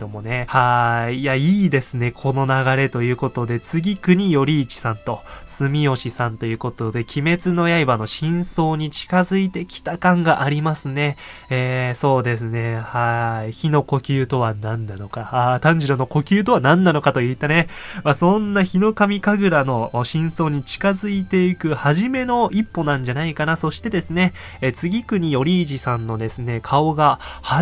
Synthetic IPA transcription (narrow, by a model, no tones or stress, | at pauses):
omo̞ne̞haijaiːd̪e̞sɨne̞kʰo̞no̞naɡaɾe̞t̪o̞jɯ̟ːko̞t̪o̞d̪e̞t͡sɨɡʲikɯ̟ɲ̟ijo̞ɾʲiːt͡ɕi̥sãnt̪o̞sɨmʲio̞ɕisãnt̪o̞jɯ̟ːko̞t̪o̞d̪e̞kʲime̞t͡sɨno̞jaibano̞ɕĩɰ̃so̞ːɲ̟it͡ɕi̥kazɨit̪e̞kʲi̥t̪akãŋɡaʔaɾʲimasɨne̞eːso̞ːd̪e̞sɨne̞haiçino̞ko̞kʲɨːt̪o̞βanãnːano̞kaat̪ãɲ̟d͡ʑiɾono̞ko̞kʲɨːt̪̬o̞βanãnːano̞kat̪o̞iːt̪ːane̞ | masõ̞nːaçino̞kamʲikaɡɯ̟ɾano̞ɕĩɰ̃so̞ːɲ̟it͡ɕi̥kazɨit̪e̞ikɯ̟haʑime̞no̞ipːo̞nãɲ̟d͡ʑanaikanaso̞ɕi̥t̪e̞d̪e̞sɨne̞ | t͡sɨɡʲikɯ̟ɲ̟io̞ɾʲiːʑisãnːo̞d̪e̞sɨne̞kʰao̞ɡaha